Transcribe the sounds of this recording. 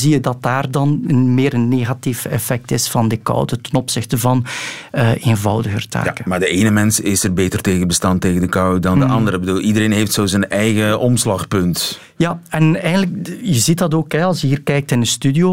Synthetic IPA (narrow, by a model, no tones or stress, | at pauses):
zijədɑt̚daːrdɑnənmeːɾənːeːɣatifɛfɛk̚tɪsfɑndəkɔ̰wdətənɔpsɪxtəvɑnəeːnvɑwdəɣərtʰa̰ːkəmaːɹdəeːnəmɛnsɪsərbeːtərteːɣənbəstaːnteːɣəndəkɑwdɑndəʔɑndəɾəbəduːlˠidəɾeːnɦeftsoːzənʔɛjɣəɔmslɑxpɵnt | jaɛnɛjɣəndləkjəzitdɑtoːkɦɛɑlˠsjəɦiːrkɛjk̚tɪnəstydio